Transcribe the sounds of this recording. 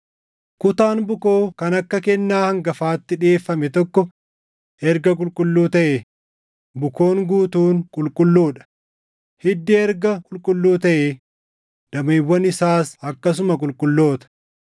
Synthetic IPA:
kʊt̪aːnbʊkoːkɐnɐkːɐkɛnːaːhɐŋɡɐfaːt̪ːɪᶑe̞ːfːɐmɛt̪ɔkːɔ | ɛɾɡɐkʼʊlkʼʊlːuːt̪ɐʔe | bʊko̞ːŋɡuːt̪uːnkʼʊlkʼʊlːuːᶑɐ̥ | hɪd̪ːeɛɾɡɐkʼʊlkʼʊlːuːt̪ɐʔe | d̪̥ɐmiːwːɐnɪsaːsɐkːɐs̬ʊmɐkʼʊlkʼʊlːo̞ːt̪ɐ̥

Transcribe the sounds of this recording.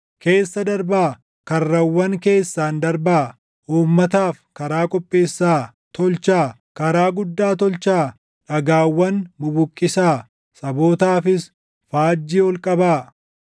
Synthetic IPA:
ke̞ːsːɐd̪ɐɾbaː | kɐrːɐwːɐŋke̞ːsːaːnd̪ɐɾbaː | ʔuːmːɐt̪aːfkɐɾaːkʼɔpʼːe̞ːsːaː | t̪ɔlt͡ʃaː | kɐɾaːɡʊd̪ːaːt̪ɔlt͡ʃaː | ᶑɐɡaːwːɐnmʊbʊkʼːɪsaː | sɐbo̞ːt̪aːfɪs | faːd͡ʒːiːɔlkʼɐbaː

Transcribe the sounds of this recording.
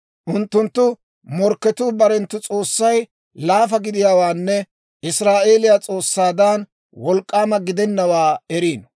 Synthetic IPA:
ʔʊnt̪ːʊnt̪ːʊ | mɔɾkːɛt̪uːbɐɾɛnt̪ːʊt͡sʼo̞ːsːɐj | laːfɐɡɪd̪ɪjaːwaːnːɛ | ɪsɾaːʔe̞ːlɪjaːt͡sʼo̞ːsːaːd̪an | wɔlkʼːaːmɐɡɪd̪ɛnːɐwaːɛɾiːn

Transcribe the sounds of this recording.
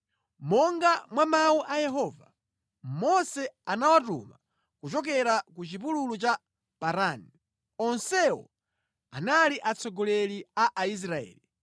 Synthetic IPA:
mɔŋɡamwamawuʔajɛɦɔːva | mɔsɛanawatṵma | kut͡ʃɔk̬ɛɾakut͡ʃip̬ululut͡ʃa | paɾani | ɔnsɛwɔ̰ | analiʔat͡sɔɡɔlɛliaʔais̬ɾaɛ̰ːli

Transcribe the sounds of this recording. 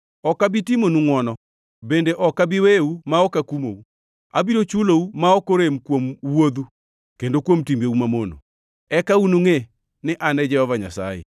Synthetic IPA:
ɔkabɪtimonuŋwɔnɔ | bendeʔɔkabɪweumaɔkakumo̰u | a̰biɾot͡ʃuloumaokoɾemkwomwod̪u | kendokwomtimbeumamono̰ | ɛkaunuŋe | nɪʔanɛd͡ʒɛhɔvaɲa̰sa̰jḛ

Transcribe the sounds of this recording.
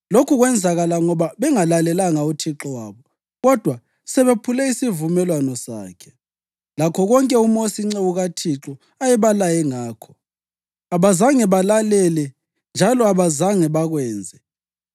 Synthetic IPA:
lokʰuɣwɛnd͡zʱaɣalaŋɔβaβɛŋalalɛlaŋautʰiǁɔwa̰ːβɔ | ɣɔd̥ʱwa | sɛβepʰulɛisivumɛlwanɔsa̰ːkʰɛ̥ | lakʰɔɣɔŋkʼɛumosiŋ͡ǀeuɣatʰiǁɔ | ajɛβalajɛŋaːkʰɔ̥ | aβazaŋɛβalalɛlɛ | nd͡ʒʱalɔaβazaŋɛβaɣwɛːnd͡zʱɛ

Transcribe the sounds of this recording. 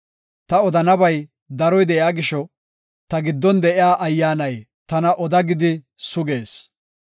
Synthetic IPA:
t̪ɐɔd̪ɐnɐbɐj | d̪ɐɾɔjd̪ɛʔɪaːɡɪʃɔ | t̪ɐɡɪd̪ːɔnd̪ɛʔɪjaːʔɐjːaːnɐj | t̪ɐnɐʔɔd̪ɐɡɪd̪ɪ | sʊɡeːs

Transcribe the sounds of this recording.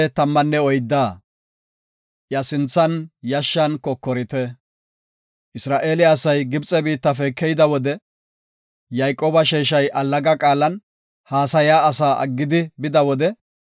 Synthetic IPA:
ɛt̪ɐmːɐnːɛɔjd̪ːaː | jɐsɪnt͡sːɐnjɐʃːɐnkɔkːɔɾɪt̪ɛ | ʔɪsɾaːʔeːlɪɐsɐjɡɪbt͡sʼɛbiːt̪ːɐfɛkːɛjd̪ɐwɔd̪ɛ | jɐjkʼːoːbɐʃeːʃ̬ɐjʔɐlːɐɡɐkʼaːlːɐn | haːsɐjaːɐs̬aːʔɐ̰ɡːɪd̪ɪbɪd̪ɐwɔd̪ɛ

